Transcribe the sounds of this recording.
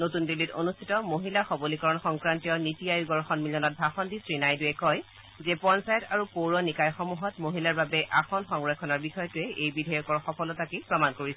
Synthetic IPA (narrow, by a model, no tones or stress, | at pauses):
notundilito̰nustʰitɔmoɦilaxɔbolikɔɹɔnxɔŋkɹantijɔnitijajuɡɔɹxɔnmilɔnɔt̚bʱaxɔndisɹinajdujɛkɔj | zɛpɔnsajɔtaɹupoɹɔnikajxɔmuɦɔtmoɦilaɹbabɛʔaxɔnxɔŋɹɔkʰːɔnaɹbixɔjɔtʊɛʔejbidʱɔjɔkɔɹxɔkɔlɔtakipɹɔmankoɹisɛ